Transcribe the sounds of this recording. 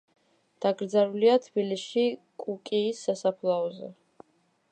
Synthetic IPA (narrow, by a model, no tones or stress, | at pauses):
d̪̥aɡɾd̪zaɾuliat̪ʰb̥iliʃikʼukʼiːsːasapʰlˠaɔzɛ̰